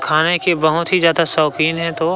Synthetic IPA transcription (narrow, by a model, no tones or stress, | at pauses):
kʰaːnekebɐɦʊt̪ɦizaːd̪asɔːkiːnɦɛ̃t̪o